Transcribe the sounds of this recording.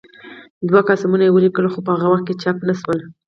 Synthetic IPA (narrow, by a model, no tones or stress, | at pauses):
d̪wakɑsamunajewəlikəlxopəhaɣawaxt̪̚ket͡ʃapnaswəl